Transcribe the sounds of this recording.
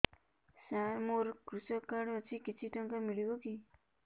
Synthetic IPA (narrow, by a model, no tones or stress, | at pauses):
saɾmoɾkɾusʌkːaɽmʌt͡sʰikit͡sʰiʈʌŋkamiɽikoki